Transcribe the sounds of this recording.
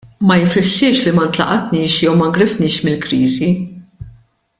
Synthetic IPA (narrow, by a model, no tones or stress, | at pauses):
mɐjfɪsːɪʃlimɐnt̪lɐ̰ʔɐt̪niːʃjɛwmɐɡɾɪfnɪːʃmɪlkɾiːzi